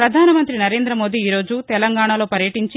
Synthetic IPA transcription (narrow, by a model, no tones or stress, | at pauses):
ɾɐd̪ʱaːnɐmɐnt̪ɾinɐɾeːnd̪ɾɐmo̞ːd̪iːɾo̞ːd͡ʒut̪ɛlɐŋɡaːɳalo̞ːpɐɾjɐʈiɲt͡ʃi